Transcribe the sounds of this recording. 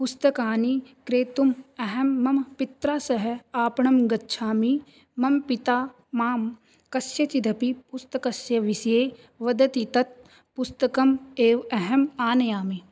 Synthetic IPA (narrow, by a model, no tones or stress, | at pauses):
pʊst̪ɐkaːnikɾeːt̪umɐɦɐmːɐmpɪt̪ɾaːsɐɦeaːpɳɐmɡɐtːʃʰaːmi | mɐmpit̪aː | maːm | kɐsjɐt͡ʃid̪ɐpipʊst̪ɐkɐsjɐʋisjeː | ʋɐd̪ɐt̪it̪ɐt̪̚ | pʊst̪ɐkɐmeːʋɐɦɐmaːnɐjaːmi